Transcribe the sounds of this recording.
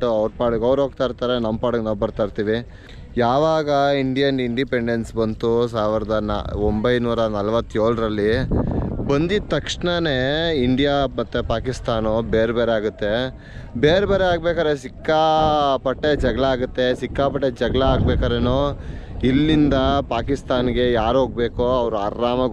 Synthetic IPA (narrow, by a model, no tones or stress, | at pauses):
ʈːuɐʋɾpaːɽukɐʋɾoːɡ̚t̪aːɾt̪aːɾenɐmpaːɽuknɐwpɐɾt̪aːɾt̪iːʋi | jaːʋaːɡɐiɳɖijɐniɳɖipe̞ɳɖensbɐnt̪us̬aːʋiɾɐd̪ɐn̰ombɐjnuːɾɐnɐlʋɐt̪ːjoːɭɾɐlːi | bɐnd̪it̪ːɐkʂɳɐneiɳɖijamɐt̪ːepaːkist̪aːnobeːɾebeːɾeaːɡut̪ːe̞ | beːɾebeːɾeaːɡ̚beːkaːɾesikːapɐʈːed͡ʒɐɡɭɐaːɡut̪ːe̞sikːaːpɐʈːed͡ʒɐɡɭɐaːɡ̚beːkaːɾenoːilːind̪ɐpaːkist̪aːnɡe̞jaːɾɦoːɡ̚beːkoɐʋɾuaːɾːaːmɐ